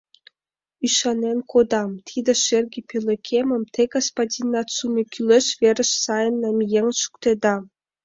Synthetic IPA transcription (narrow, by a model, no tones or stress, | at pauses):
yʃɑnenkʰod̪ɑmt̪ʰid̪ʲĕʃerʲɡʲepʲelʲˠekʲʰemə̆mt̪ʰeɡospadʲinɑsumʲekʲʰylʲeʃvʲerʲə̆ʃsɑjə̆nːɑmjeŋʃu̥kt̪ed̪ɑ